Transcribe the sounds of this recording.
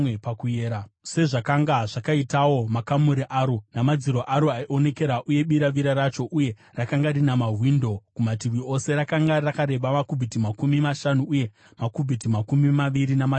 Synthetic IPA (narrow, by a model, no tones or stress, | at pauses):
pakueːɾase̞ʐakaŋɡaʐakaitawo̞makamuɾiʔaːɾonamad͡ziɾoʔaɾoaiʔone̞ke̞ɾaʔuje̞ɓiɾaʋiɾaɾat͡ʃo̞ʔuje̞ | rakaŋɡarinamaɦwiːndo̞kumat̬irwio̞se̞ɾakaŋɡarakaɾe̞ɓamakubʱitimakumimaʃanuːje̞ | makubʱitimakumimaʋiɾinama